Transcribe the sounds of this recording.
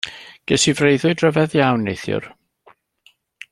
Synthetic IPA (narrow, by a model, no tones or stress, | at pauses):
ɡ̥əsivrejðʊɨdrəvɛðjawnːejθjʊ̰r